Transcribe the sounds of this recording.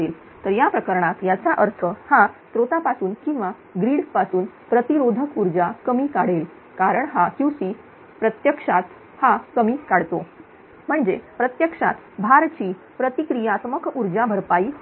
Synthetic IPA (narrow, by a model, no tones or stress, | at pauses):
el | t̪əɾjapɾəkəɾɳat̪jat͡ɕaʔəɾt̪ʰəhasɾot̪apasuːnkĩw̃ʋa | ɡɾiːɽpasuːn | pɾət̪iɾod̪ʱəkuɾd͡zakəmiːkaɽ̤el | kaɾəɳɦakjusiː | pɾət̪jəkʂat̪ | hakəmiːkaɽt̪o | m̤əɳd͡zepɾət̪jəkʂa̰t̪bʱaɾt͡ɕiː | pɾət̪ikɾijat̪məkuɾd͡zabʱəɾpaiː